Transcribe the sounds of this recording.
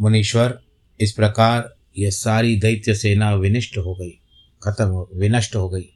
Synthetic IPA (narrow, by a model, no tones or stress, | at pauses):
mɐniːʃʋɐɾ | ɪspɾɐkaːɾ | jɐsaːɾid̪ɐjt̪jɐseːnaːʋɪnɪʂʈɦoːɡɐi | kʰɐt̪ɐmʋɪnɐʂʈɦoːɡɐiː